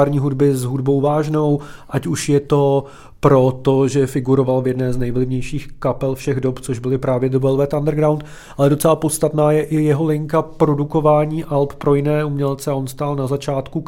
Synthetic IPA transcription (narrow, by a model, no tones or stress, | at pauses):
ɾɲiːɦudbɪzɦudbo̞wvaːʒno̞wʔacuʃjɛt̪o̞ | pɾo̞t̪oʒɛfɪɡuɾo̞valvjɛdnɛːznɛjvlɪvɲɛjʃiːxkapɛlfʃɛɣdopt͡soʒbɪlɪpɾaːvjɛd̪əbɛlvɛt̪andɾɡɾawnt̪ | ʔalɛdo̞t͡sɛlapo̞st̪at̪naːjɛʔɪjɛɦo̞lɪŋkapɾo̞duko̞vaːɲiːʔalppɾo̞jɪnɛːumɲɛlt͡sɛaʔonst̪aːlnazat͡ʃaːt̪ku